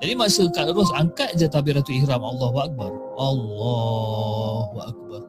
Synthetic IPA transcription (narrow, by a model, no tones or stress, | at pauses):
d͡ʒadimasəkat̪əɾʊs̬aŋkat̪̚d͡ʒat̪abiɾat̪uihɾamʔalːaɦuak̚barʔalːɑ | ɦuʔak̚bar